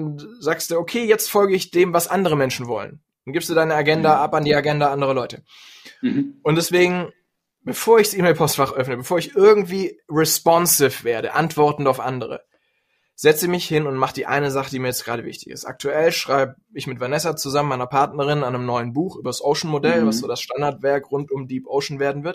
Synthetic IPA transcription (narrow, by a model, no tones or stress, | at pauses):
nzaːkstd̥uːʔokʰeːjɛt͡stfɔlɡəɪçd̥eːmvasʔandəʁ̞əmɛnʃn̩vɔlə̰n | nɡɪːpsd̥uːdaɪnəaɡɛndaʔapandiːaɡɛndaʔandəʁ̞ɐlɔʏtə | ʔʊntd̥ɛsv̥eːɡŋ̩ | b̥əfoːɐɪç̥sʔiːmeɪlpʰɔstfaχʔœfnəbəfoːɐɪçʔɪɐɡŋ̩tv̥iːʁɛspɔnsɪfv̥eːɐɾə̰ʔa̰ntv̥ɔɐtn̩taʊfʔa̰ndəʁ̞ə̰ | z̥ɛt͡sz̥iːmɪçhɪnʊntmaχd̥iːʔa̰ɪnəzaχədiːmiːɐjɛt͡stɡ̥ʁa̰ːdɾəvɪ̰çtɪ̥çɪ̰sta̰k̚tʰuʔɛlʃʁ̥aɪbə | ɪçmɪtv̥aɐnɛsat͡suzamənmaɪnɐpʰaɐtnɐʁɪnanəmnɔʏənbuːxʔyːbɐsʔoʊʃn̩modɛlvasz̥oːdasʃtandaɐtv̥ɛɐkʁʊntʊmdiːpʔoʊʃn̩veːɐdn̩vɪɐt